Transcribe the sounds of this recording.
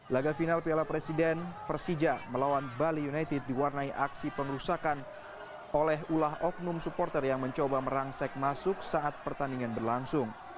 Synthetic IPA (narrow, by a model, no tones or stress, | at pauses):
laɡafinalpialapɾesidɛnpəɾsid͡ʒaməlawanbalijunajt̪ɪd̚ːiwarnaiʔaksipəŋəɾusakan | olɛɦulaɦɔk̚nʊmsupɔrt̪ərjaŋməɲt͡ʃobaməɾaŋsɛk̚masʊk̚saʔat̪̚pərt̪andiŋanbərlaŋsʊŋ